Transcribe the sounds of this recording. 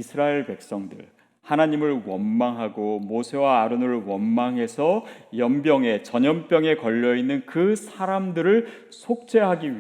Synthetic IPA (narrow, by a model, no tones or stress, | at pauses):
isʰɯɾaeɭpe̞k̚s͈ʌŋdɯ̰ɭ | hanaɲimɯɭwʌnmaŋɦaɡomosʰe̞waːɾɯnɯɭwʌnmaŋɦe̞sʰʌjʌmbjʌŋe̞t͡ɕʌɲʌmp͈jʌŋe̞kʌʎːʌinːɯnkɯsʰaɾamdɯɾɯɭ | sʰok̚t͡ɕ͈e̞ɦaɡii